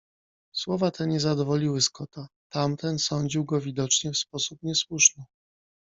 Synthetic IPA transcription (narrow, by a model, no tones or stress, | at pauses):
swɔvat̪ʰɛɲɛzad̪ɔvɔlʲiwɘskɔt̪at̪amt̪ɛnsɔɲd͡ʑiwɡɔvʲid̪ɔt͡ʂɲɛfspɔsupɲɛswuʂnɘ